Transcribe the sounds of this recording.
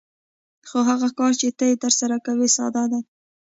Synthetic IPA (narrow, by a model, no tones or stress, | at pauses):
xoɦaɣakɑɾt͡ʃet̪əjet̪əɾsaɾakawesɑ̰d̪ad̪a